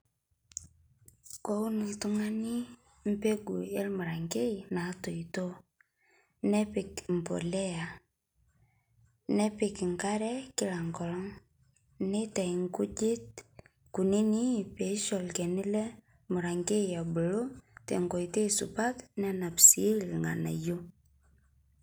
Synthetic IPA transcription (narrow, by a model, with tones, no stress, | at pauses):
ko˦u˦ni˨tu˦ŋa˦ni˦ | m̩˦pe˦ɡu˨e˦lmu˨ɾa˨ŋɡe˦ina˨˦to˨ito˦ | nɛ˦pɪ˨km̩˨po̰˨lɛ˦a˨ | nɛ˦pɪ˨kŋka˦ɾɛ˦kɪ˦la˨ŋɡɔ˨lɔ˦ŋ | ne˦ta˨i˨ŋku˦d͡ʒɪ˦t̚ | ku˨ni˦ni˦pe˨˦ʃɔ˨lke˨ni˦lɛ˦ | mu˨ɾa˨ŋɡe˦ia˨bu˨lo˦tḛ˨ŋɡo˨jte˦sṵ˨pa˦tnɛ˦na˨psi˦lŋa̰˨na̰˨jo˦